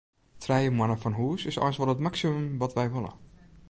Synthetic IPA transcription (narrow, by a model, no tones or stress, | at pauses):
tʰrɛjəmwanəfɔnɦuːəsɪsɔ̰jnsʋɔlˠətmaksimømʋɔtʋɛjʋolˠə̰